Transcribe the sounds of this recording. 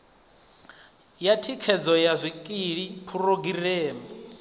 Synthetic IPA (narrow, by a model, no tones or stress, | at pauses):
jatʰikʰɛd͡zɔjazʷikʼiɺipʰuɾoɡireːmɛ